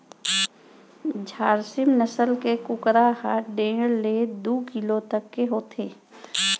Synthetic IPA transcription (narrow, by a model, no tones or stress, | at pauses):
d͡ʒʱaːɾsɪmnəsəlkekʊkɾaɦaɖeːɽled̪uːkɪlot̪əkːeɦoːt̪ʰeː